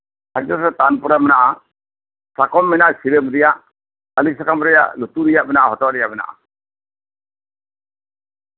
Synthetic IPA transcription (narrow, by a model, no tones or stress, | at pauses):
had͡ʒɔɾɾɛt̪anpɔɾamɛnaʔa | sakɔmːɛnaʔsiɾebɾijaʔ | alisakamɾɛja̰ʔlut̪uɾijaʔbɛnaʔahɔt̪ɔɾɛjabɛna̰ʔa̰